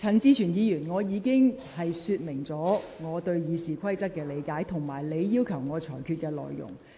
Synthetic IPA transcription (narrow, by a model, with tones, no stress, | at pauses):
t͡sʰɐ˨˩nt͡siː˥t͡ʃʰyː˨˩njiː˨˧jyː˨˩nŋɔː˨˧jiː˨˧kɪ˥ŋ | hɐ˨jsyː˧t̚mɪ˨˩ŋt͡sɔː˨˥ŋɔː˨˧t̪ɵ˧ɥjiː˨˧siː˨kʰɐ˥jt͡sɐ˥t̚kːɛː˧le˨˧jkaː˨˥jt̪ʰʊ˨˩ŋmaː˨˩jle˨˧jːiː˥wkʰɐ˨˩wŋɔː˨˧t͡sʰɔː˨˩jkʰyː˧t̚kɛː˧lɔ̰ː˨jːʊ̰˨˩ŋ